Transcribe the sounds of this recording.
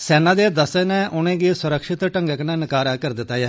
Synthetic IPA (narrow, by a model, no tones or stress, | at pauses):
sɛːnãːd̪eːd̪əseːnɛ̃ːʔʊnẽːɡiːsʊɾəkʃɪt̪ʈəŋɡəknɛ̃ːnɪkaːɾaːkəɾd̪ɪt̪ːaːjaː